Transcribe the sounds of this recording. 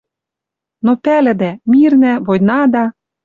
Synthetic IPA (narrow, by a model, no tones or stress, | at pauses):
nopælɘ̆d̪æmirnæβojnɑd̪ɑ